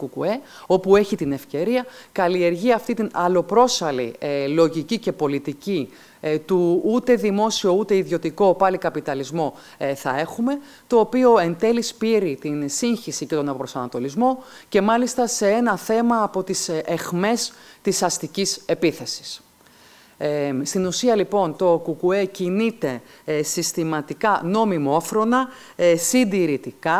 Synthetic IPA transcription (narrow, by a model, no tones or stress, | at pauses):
ukṵe̞ | o̞pue̞çit̪ine̞fce̞ɾiɐkɐlie̞ɾʝiɐft̪it̪inɐlo̞pɾo̞sɐlḭlo̞ʝicice̞po̞lit̪ici | t̪uut̪e̞ðimo̞sio̞ut̪e̞iðjo̞t̪iko̞pɐlikɐpit̪ɐlizmo̞ | θɐ̰e̞xume̞ | t̪o̞ːpio̞e̞nd̪e̞lispiɾit̪insiɲçisice̞t̪o̞nɐpɾo̞sɐnɐt̪o̞lizmo̞ce̞mɐlist̪ɐse̞e̞nɐθe̞mɐːpo̞t̪isexme̞st̪isɐst̪icise̞piθe̞si̥s | st̪inusiɐlipo̞nt̪o̞kukue̞cinit̪e̞sist̪imɐt̪ikɐno̞mimofɾo̞nɐ | sind̪iɾit̪ikɐ